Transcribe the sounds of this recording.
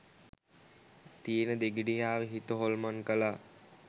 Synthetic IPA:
t̪ijenəd̪eɡiɖijaːʋəɦit̪əɦolmankəla

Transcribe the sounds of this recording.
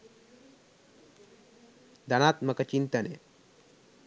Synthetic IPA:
d̪ɐnaːt̪mɐkɐt͡ʃint̪ɐnḛ

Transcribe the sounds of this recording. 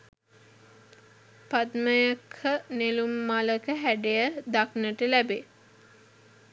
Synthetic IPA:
pad̪məjakʰənelumːaləkəɦæɖejəd̪aknəʈəlæbe

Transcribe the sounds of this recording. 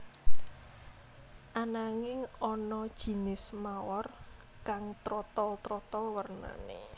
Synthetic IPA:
ʔanaŋɪŋɔnɔd̥ʒ̥i̤nɪsmawɔr | kaŋt̪ɾɔt̪ɔlt̪ɾɔt̪ɔlwərna̰nḛ

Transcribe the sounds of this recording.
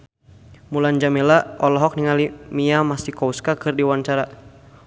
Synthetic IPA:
muland͡ʒamilaɔlɔɦɔk̚niŋalimiamasikɔuskakɨrdiwant͡ʃaɾa

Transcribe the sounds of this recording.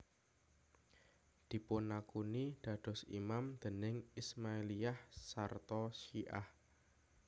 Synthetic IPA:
d̪̥i̤pʊnːakunid̪̥ä̤d̪̥ɔ̤sḭmamd̪̥ə̤nɪŋismaeliahsart̪ɔʃiʔa̰h

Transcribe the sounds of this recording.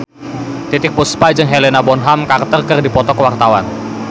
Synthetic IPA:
t̪it̪ɪk̚bɔspad͡ʒɨŋɦelenabɔnɦamkart̪ərkɨrdipɔt̪ɔkəwart̪awan

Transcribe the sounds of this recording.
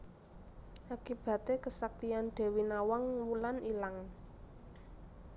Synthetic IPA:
ʔakib̥ä̤t̪ekəsak̚t̪ianɖ̪̥e̤winawaŋwulanilaŋ

